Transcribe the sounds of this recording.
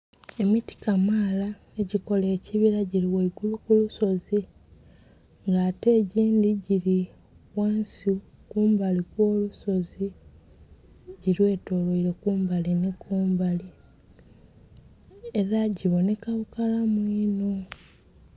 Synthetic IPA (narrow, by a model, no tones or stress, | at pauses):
e̞miti̥kamaːla | eɟiko̞le̞ːciβiɾaɟiɾiweiɡulukuluso̞zi | ŋɡaːte̞ːɟiːndiɟiɾi | waːnsi | kuːmbalikwo̞ːluso̞zi | ɟiɾwe̞ːto̞ːloiɾe̞kuːmbalinekuːmbali | eɾaɟiβo̞ne̞kaβukalamwiːno